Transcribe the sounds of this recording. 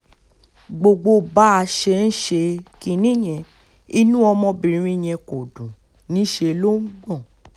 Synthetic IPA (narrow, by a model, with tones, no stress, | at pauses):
ɡ͡bo˨ɡ͡bo˧ba˦a˧ʃe˧n̩˦ʃe˧ki˧nĩ˦˨j̃ɛ̃˧ | i˧nũ˦ɔ˧mɔ̃˧bĩ˨ɾ̃ĩ˦˨j̃ɛ̃˧ko˨dũ˨ | nĩ˨˦ʃe˧lo˦ŋ̩˦ɡ͡bɔ̃˦˨